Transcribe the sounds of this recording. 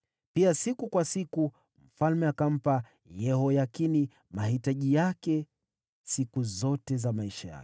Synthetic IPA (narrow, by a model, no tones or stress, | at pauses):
piasikukwasiku | m̩falmɛakam̩pa | jɛɦɔjakini | mahitaʄijakɛ | sikuzɔtɛzamaiʃaja̰kɛ̥